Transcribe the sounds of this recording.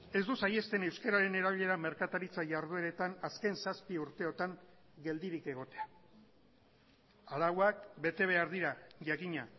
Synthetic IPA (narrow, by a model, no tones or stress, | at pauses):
e̞zd̪usaje̞st̪e̞ne̞wskaɾaɾe̞ne̞ɾaβiʎe̞ɾame̞ɾkat̪aɾit͡saʝaɾð̞ue̞ɾe̞t̪anaske̞nsaspiuɾt̪e̞o̞t̪aŋ | ɡe̞ld̪iɾike̞ɣ̞o̞t̪e̞a | alawakbe̞t̪e̞β̞e̞aɾðiɾaʝakiɲa